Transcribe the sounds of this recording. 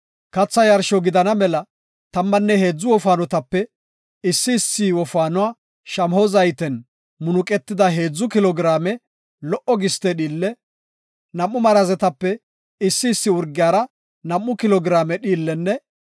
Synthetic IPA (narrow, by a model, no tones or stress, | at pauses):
kɐt͡sːɐjɐɾʃɔɡɪd̪ɐnɐmɛlɐ | t̪ɐmːɐnːɛhe̞ːd͡zːʊwɔfaːnɔt̪ɐpːɛ | ɪsːɪːsːiwɔfaːnʊwaː | ʃɐmhɔzɐjt̪ɛn | mʊnʊkʼɛt̪ːɪd̪ɐɦe̞ːd͡zːʊkɪlɔɡɾaːmɛ | lɔʔɔɡɪst̪ɛɗiːlːɛ | nɐmːʊmɐɾɐzɛt̪ɐpːɛ | ɪsːɪːsːɪʊɾɡɪjaːɾɐ | nɐmːʊkɪlɔɡɪɾaːmɛɗiːlːɛnːɛ